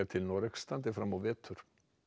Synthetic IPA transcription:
at̪ʰɪlnɔɾɛkst̪ant̪ɪfɾamːawvɛːt̪ʰʏɾ̥

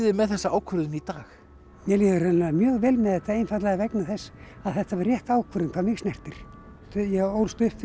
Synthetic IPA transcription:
ðɪmɛðθɛsːaaːwkʰœɾðʏnit̪aːx | mjɛliðʏɾɛnnamjœːɣvɛlmɛðθɛht̪ːaejnfat̪lɛɣavɛknaθɛsː | aðθɛht̪avarjɛht̪aːwkʰvœɾðɪnkʰvaɾmɪɣsnɛr̥t̪ɪɾ̥ | t̪jɛɣowlst̪ʏhpf

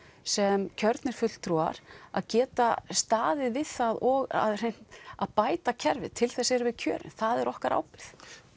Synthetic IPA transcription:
sɛmcʰœɾt̪nɪɾ̥fʏt̪l̥t̪ʰɾua̰ɾ̥a̰ðcɛːt̪ast̪aːðɪðvɪð̥θaðɔɣa̰ðr̥ejn̥t̪aðpaːjt̪acʰɛɾvɪ̰ðt̪ʰɪlθɛsɛɾvɪðcʰœːɾɪ̰nθaðɛɾʔɔhkaɾʔa̰ːwpɪɾ̥θ

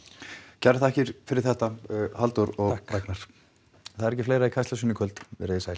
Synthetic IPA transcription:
caɾθaɛhcɪɾ̥fɪɾɪɾ̥θɛht̪ahalt̪uɾɔɣaknaɾ̥ | θaðɛɾɛcɪfleːjɾaikʰajsasʏnɪkʰœlt̪vɛ̰ɾɪðɪsaːjl

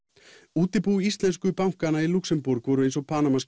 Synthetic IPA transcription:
uːt̪ɪpuist̪lɛnskʏpawŋ̥kanailuksɛmpuɾkvɔːɾʏejnsɔpʰaːnamas

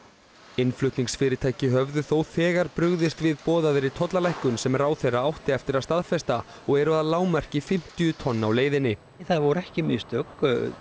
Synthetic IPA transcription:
ɪnflʏht̪niŋsfɪːɾɪt̪ʰaːjcɪɦœvðʏθowθɛːɣaɾpɾʏɣðɪst̪vɪðpɔːðaðɪɾit̪ʰɔt̪lalajhkʏnsɛmɛɾawθejrːaawht̪ɪɛft̪ɪɾaðst̪aðfɛst̪a | ɔɣɛɾʏaðalaːwmɛr̥cɪfɪm̥t̪ijʏt̪ʰɔnːawleːjðɪnːɪ | θaðvɔɾɛhcɪmɪst̪œk

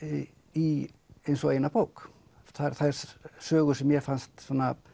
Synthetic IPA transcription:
i | ejnsɔejnapowk | θaɾθaɾssøːɣʏsɛmjɛfanst̪sɔnːa

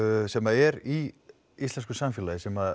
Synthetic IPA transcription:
sɛmaɛɾi | ist̪ɛnskʏsamfɛːlaðɪsɛma

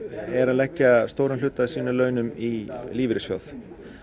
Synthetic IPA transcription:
ɛɾaðlɛhcːast̪oːwɾʏmlʏːt̪aðsiːnʏlœːɥnʏmiliːvɪɾɪsfjɔ̰θ

